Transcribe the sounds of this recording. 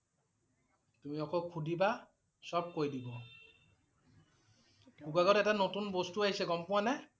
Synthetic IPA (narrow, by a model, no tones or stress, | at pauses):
tumiɔkʰɔkʰudʱiba | sɔb̚kojdibɔ | buɡaɡɔtɛtanotunbostuaɦisɛɡɔmpʊwanɛ